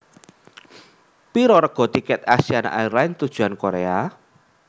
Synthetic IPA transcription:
piɾɔɾəɡ̥ɔ̤t̪ikɛt̪asiana̰ʔaiɾaɪnt̪ud̥ʒ̥ṳankoɾea

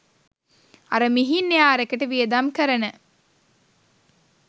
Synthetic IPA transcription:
aɾəmiɦinːejaːɾəkəʈəʋijəd̪amkəɾənə

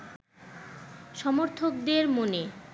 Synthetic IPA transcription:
ʃɔmoɾt̪ʰokd̪eɾmone

